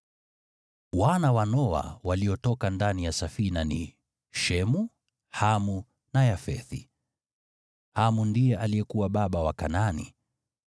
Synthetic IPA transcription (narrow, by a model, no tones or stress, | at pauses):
wanawanɔa̰waliɔtɔkandanijasafinanḭ | ʃɛmu | hamu | najafɛθi | hamundijɛʔalijɛkuwaɓaɓawakananḭ